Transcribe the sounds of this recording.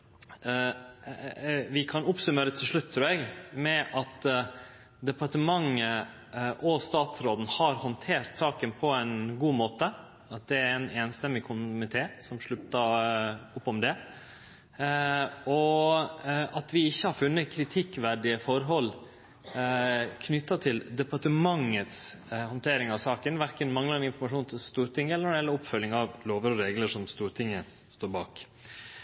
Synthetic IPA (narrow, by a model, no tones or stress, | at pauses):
ʋɪkʰɑnʊpsʉmeːɾət̪ʰɪlʂɭʉt̪ːt̪ʰːɾʉːɾɛɡmɛʔɑt̪ | d̪ɛpɑʈəmɑŋə | ʔɔst̪ɑːt̪sɾoːd̪n̩hɑɾhɔnt̪ʰeːɾt̪sɑːkənpʰɔænɡuːmoːt̪ə | ɑt̪̚d̪ɛæɾɛneːnst̪ɛmːɪkʰʊmɪt̪ʰeːsɔmʂɭʉpt̪ə | ʊpːɔmd̪ɛ | ɔ | ɑt̪ʋɪɪçːəhɑɾfʉnːəkʰɾɪt̪ʰɪkːʋæɖɪəfɔɾɦɔlː | kʰnʏt̪ːɑt̪ʰɪld̪ɛpɑʈəmɑŋːət̪shɑnt̪ʰeːɾɪŋɑʋsɑːkənʋæɾkənmɑŋlɑɾɛnɪnfɔɾmɑʂuːnt̪ʰɪlst̪uːɾt̪ʰɪŋːəɛlənɔɖɛjɛlːəɔpfœlːɪŋɑʋloːʋəɾɔɾeːɡləʂɔmst̪uːɾt̪ʰɪŋːə | st̪oːɾbɑːk